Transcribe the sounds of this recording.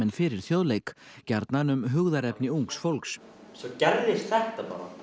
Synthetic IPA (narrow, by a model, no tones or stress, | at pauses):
ɛnfɪɾɪɾ̥θjoðlejk | cɛɾt̪nanʏmɦʏɣðaɾɛpnɪuŋksfolks | sɔcɛɾðɪst̪θɛht̪apa̰ːɾa̰